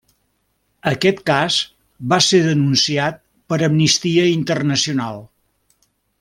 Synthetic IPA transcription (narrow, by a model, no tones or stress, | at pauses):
əkɛt̪kaz | βaseðənunsiat̪̚ | pəɾəmnist̪iəint̪ərnəsiunalˠ